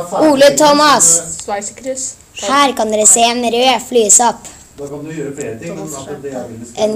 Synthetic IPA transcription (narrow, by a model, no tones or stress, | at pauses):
uːlət̪ʰɔmɑs | hæːɾkɑnd̪eːɾəseːeːnɾøːflyːəsɑp | ʔɛn